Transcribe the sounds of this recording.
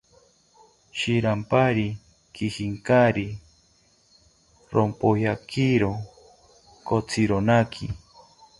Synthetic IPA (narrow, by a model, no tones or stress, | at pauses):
ʃiɾampaɾi | kihiŋkaɾi | ɾompojakʰiɾo | kot͡sʰiɾonakʰi